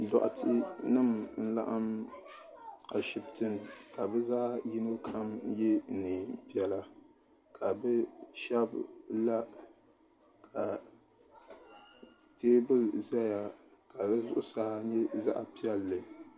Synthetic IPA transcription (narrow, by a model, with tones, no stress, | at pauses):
dɔ̰˨ʔa̰˨tʰɨ˦nɨ˦˨mn̩˦la̰˦ʔa˦m | a˨ʃi˨btɨ˦˨n˨ka˨bɛ˦za˦ji˦no˦kʰa˦mjɛ˦nɨ˨pi˨ɛ˨la˦ | kʰa˨bɛ˦ʃɛ˦bla˦ | kʰa˨ | teː˦bɨ˦lza˦ja˨ka˨ɾɨ˦zʊ˦ʔʊ˦saː˦ɲɛ˦za̰˦ʔa˨pi˦ɛ˦lːɨ˨